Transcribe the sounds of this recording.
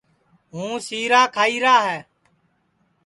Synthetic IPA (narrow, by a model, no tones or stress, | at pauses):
ɦũːsiːɾaːkʰaːiːɾaːɦɛː